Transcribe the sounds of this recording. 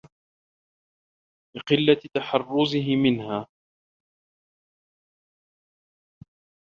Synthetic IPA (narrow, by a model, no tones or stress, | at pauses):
lɪqɪlːat̪aħɑrˤːʊzɪɦɪmɪnhaː